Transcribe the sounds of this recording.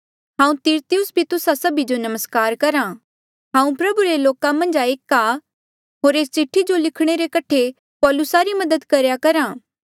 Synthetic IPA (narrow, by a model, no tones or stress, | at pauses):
ɦãːũt̪iːɾt̪ijʊsbʱit̪ʊsasɐbid͡ʒonɐməskaːɾkɐɾã | ɦãːũpɾɐbuɾeloːkamɐ̃nd͡ʒaeːka | ɦoːɾeːst͡ʃɪʈʰːid͡ʒolɪkʰɽ̃eɾekɐʈʰe | pɔːlʊsaɾimɐd̪əd̪kɐɾjakɐɾãː